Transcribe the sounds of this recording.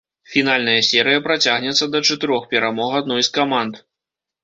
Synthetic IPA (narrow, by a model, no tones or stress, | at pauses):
fʲinalʲnɐjɐsʲɛɾɨjɐpɾat͡sʲaɣnʲɛt̪sːɐd̪ɐt͡ʂɐt̪ɨɾɔxpʲɛɾamɔɣad̪̚nɔjskamant̪